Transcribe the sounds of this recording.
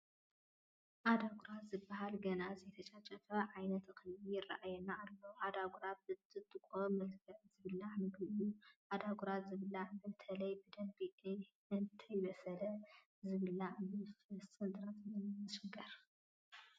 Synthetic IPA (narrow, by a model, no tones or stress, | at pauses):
ʔad̪aɡʷuɾat̪zɨbːɐhalɡɐnazɐjt̪ʰɐt͡ʃʼat͡ʃʼɐfɐʕajnɐt̪kʰɨlijɪrːa̰ʔajɛnaːlːoʔad̪aɡuɾat̪̚bɨt̪ʰɨt̪ʼɨkʷʼomɐlkʰɐʔzɨβɨlːamɨɡlɨʔjuʔad̪aɡuɾat̪zɨβɨlːabɨt̪ʰɐlɐjbɨd̪ɐmbiʔ | ɨnt̪ʰɐjbɐsɐlɐ | zɨβɨlabɨfɨsɨnd̪ʼɨɾat̪nɨmɨmɐʃɐɡɐɾ